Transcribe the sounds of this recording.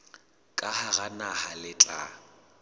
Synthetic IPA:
kʼahaɣanahalɪt͡ɬʼa̰

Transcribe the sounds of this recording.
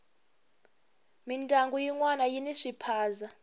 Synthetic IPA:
mintʼaŋɡujiŋwanajiniʂipʰaːza

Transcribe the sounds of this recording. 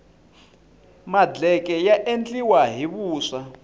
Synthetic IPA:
mad͡ɮɛk̬ʼɛjaʔent͡ɬʼiwaɦiβuːʂa

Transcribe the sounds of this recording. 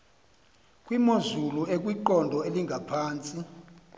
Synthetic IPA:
kʼwimozuluʔek̬ʼwiǃɔndʱɔeliŋɡʱapʰaːnt͡sʼi

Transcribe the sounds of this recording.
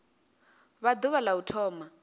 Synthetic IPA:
βad̪uβalautʰɔːma

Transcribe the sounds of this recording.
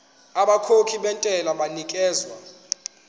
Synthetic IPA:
aɓakʰokʰiɓɛntʼɛlaɓanikʼɛːzwa

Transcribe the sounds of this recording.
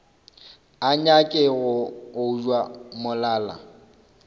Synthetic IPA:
aɲakʼɪɣʊʊud͡ʒwamʊlaːla̰

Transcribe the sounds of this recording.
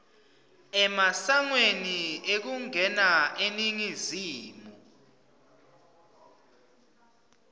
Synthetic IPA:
ɛmasaŋweniek̬uŋɛnaʔeniŋiziːmɔ

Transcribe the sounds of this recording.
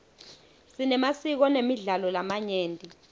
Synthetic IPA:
sinɛmasik̬ɔnemiɮalɔlamaɲeːntʼi

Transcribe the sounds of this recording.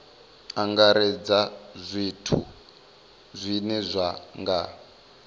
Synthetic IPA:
aŋɡaɾɛd͡zazʷitʰṵ | zʷinɛzʷaŋɡa

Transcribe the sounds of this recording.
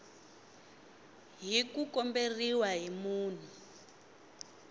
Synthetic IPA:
ɦikukɔmberiwaɦimuːn̤u

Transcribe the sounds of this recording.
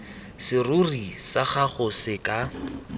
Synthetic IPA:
sɪrʊrisaχaχʊsɪkʼa

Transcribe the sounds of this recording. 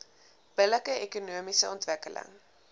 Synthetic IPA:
b̥ələkəekunuəmisəɔntvəkələ̰ŋ

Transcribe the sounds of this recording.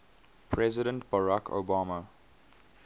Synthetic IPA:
pʰɹɛzɪɾə̃ntb̥aɹakʰo̰baːmə

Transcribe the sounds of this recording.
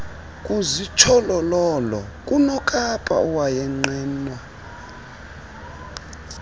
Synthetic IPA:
kʼuzit͡ʃʰɔlɔlɔlɔ̰kʼunɔkʼapʰʼa̰ɔwajɛŋ͡ǃɛːnwa

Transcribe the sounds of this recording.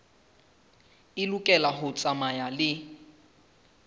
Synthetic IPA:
ɪlukʼɛlaɦʊt͡sʼamajalɪ

